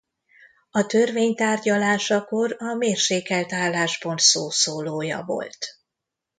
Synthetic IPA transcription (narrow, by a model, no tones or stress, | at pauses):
ɒt̪ørveːɲt̪aːrɟɒlaːʃɒko̞ɾɒmeːrʃeːkɛlt̪aːlːaːʒbo̞nt̪soːsoːloːjɒ̰vo̰lt̪